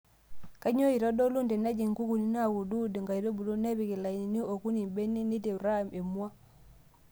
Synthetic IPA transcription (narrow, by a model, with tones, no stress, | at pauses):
ka˦ɲo˦i˨ɾɔ˦do˦lu˦nde˨na˦d͡ʒi˨ŋɡu˦ku˨ni˦na˦˨wu˨du˦di˨ŋɡa˨i˨do˦bu˨lo˦ne˦βi˨ki˨la˨i˨ni˦o˨ku˦ni˨be˦ni˦ni˦te˨ɾa˦˨me˨mu˦a˦